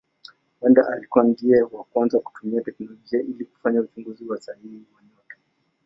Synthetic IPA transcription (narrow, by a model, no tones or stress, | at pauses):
wɛndaʔalikuwandiɛwakwanzaku̥tumiatɛknɔlɔd͡ʒiaʔiliku̥faɲaut͡ʃuŋɡuziwasahihiwaɲɔtɔ̥